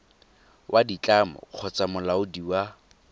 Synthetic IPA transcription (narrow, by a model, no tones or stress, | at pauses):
wʔadit͡ɬʼamɔ̰q͡χʰɔt͡samʊlaʊdiwa